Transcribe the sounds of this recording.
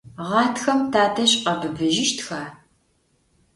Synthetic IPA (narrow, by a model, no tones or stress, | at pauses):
ʁɑːtxɐmtʰaːtʰɐɕʼqɐbɨbɨʒɪʃtxaː